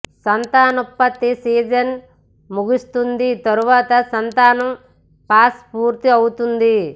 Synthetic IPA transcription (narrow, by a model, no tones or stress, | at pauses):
sɐnt̪aːnɐpːɐt̪ːisiːd͡ʒɐn | muɡist̪und̪it̪ɐɾuʋaːt̪ɐsɐnt̪aːnɐm | paːspuːɾt̪iɐwut̪und̪i